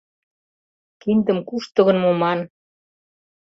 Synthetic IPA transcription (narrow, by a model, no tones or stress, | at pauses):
kind̪ə̆mkuʃt̪ɤ̆ɣɤ̆nmomɑn